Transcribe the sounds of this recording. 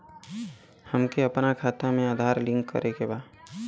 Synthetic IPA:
həmkeɐpnakʰaːt̪amẽaːd̪ʱaːɾlɪ̃ŋkːə̰ɾʔekebaː

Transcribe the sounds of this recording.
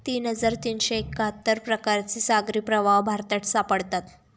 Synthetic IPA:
t̪iːnɦəd͡zaɾt̪iːnɕeekːəɦət̪ːəɾpɾəkaɾt͡ɕiːsaɡɾiːpɾəʋaʋbʱaɾt̪aʈsapəɽt̪at̪

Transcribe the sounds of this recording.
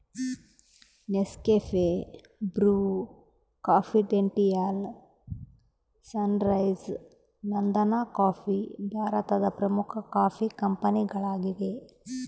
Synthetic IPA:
neskeːfʰe | bɾuː | kaːpʰiɖeɳʈijal | sɐnɾɐjz | nɐnd̪ɐnaːkaːpʰibʱaːɾɐt̪ɐd̪ɐpɾɐmukʰɐkaːpʰikɐmpɐniɡɐɭaːɡid̪e

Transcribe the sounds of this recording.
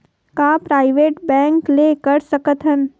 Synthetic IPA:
kaːpɾaːɪʋeːʈbɛ̃ːŋkleːkəɾsəkət̪ɦən

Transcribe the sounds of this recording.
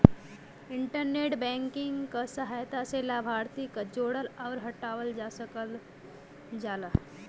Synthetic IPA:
ɪɳʈəɾneːʈbɛ̃ːŋkɪŋɡkasəɦaːjt̪aselabʱaːɾt̪ikad͡ʒoːɽəlɔːɾɦəʈaːwəld͡ʒaːsəkəl | d͡ʒaːla

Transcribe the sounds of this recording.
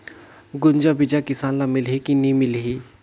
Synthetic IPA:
ɡʊnd͡ʒabɪd͡ʒakɪsaːnlamɪlɦikinimɪlɦiː

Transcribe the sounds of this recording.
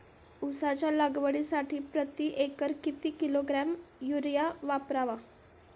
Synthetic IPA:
usat͡ɕjalaɡʋəɽisaʈʰiːpɾət̪iʔekəɾkit̪iːkiloɡɾamjuɾjaʋapɾaʋa

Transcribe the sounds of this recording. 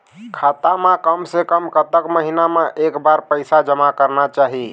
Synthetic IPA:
kʰat̪amekəmsekəmkət̪əkməɦinameʔekbaɾpəjsad͡ʒəmakəɾnat͡ʃaɦi

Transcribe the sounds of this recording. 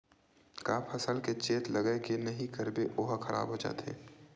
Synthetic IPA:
kaːpʰɐsəlket͡ʃeːt̪lɐɡəekenɐɦĩkɐɾbeʔoːɦxɐɾa̰ːbɦod͡ʒa̰ːt̪ʰḛː

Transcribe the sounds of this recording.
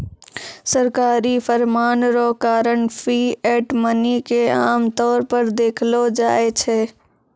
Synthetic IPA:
səɾkaːɾifəɾmaːnɾoːkaːɾəɳfʰiːɛːʈmənikea̰ːmt̪ɔːɾpəɾd̪eːkʰlod͡ʒaːet͡ʃʰeː

